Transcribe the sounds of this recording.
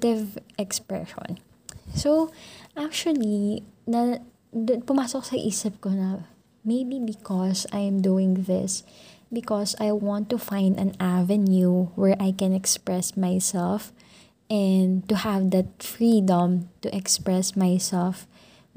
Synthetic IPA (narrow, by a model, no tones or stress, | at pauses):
t̪ɪvʔɛkspɹɛ̰ʃɔ̰̃n | sowʔak̚t͡ʃʊɐlinɐ | pʊmaːsɔk̚sɐʔiːsɪp̚konɐ | mejbibɪkʰɔsajmd̪uɪ̃ŋðɪ̰s | bɪkɔsajwɑ̃nt̪ːufãj̃nd̪ɐ̃navɛnjuwɛɹʔajkɛ̃nɛkspɹɛsmajsɛlf | ʔɛnd̪t̪ʊhavd̪ɐt̪̚fɹid̪ɔ̃mt̪ʊʔɛkspɹɛsmajsɛlf